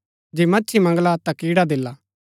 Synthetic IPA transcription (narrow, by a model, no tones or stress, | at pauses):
d͡ʒeːmɐːt͡ʃʰimɐ̃ŋɡlat̪akiːɽad̪ɪlːaː